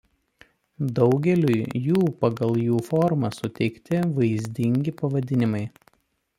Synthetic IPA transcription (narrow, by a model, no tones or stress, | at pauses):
d̪ɒʊɡʲɛlʲʊjjuːpɐɡɐlˠjuːfɔɾmɐsʊt̪ʲɛɪkt̪ʲɪʋɐɪzʲd̪ʲɪŋʲɡʲɪpɐʋɐd̪ʲɪnʲɪmɐɪ